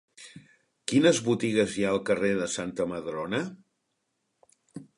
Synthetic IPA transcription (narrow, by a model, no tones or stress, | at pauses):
kinəzβut̪iɣəzjaəlˠkəreðəsant̪əməðɾonə